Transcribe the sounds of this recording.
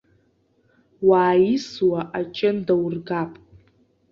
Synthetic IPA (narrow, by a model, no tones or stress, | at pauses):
waːjiswaʔat͡ʃʼɪndawrɡapʼ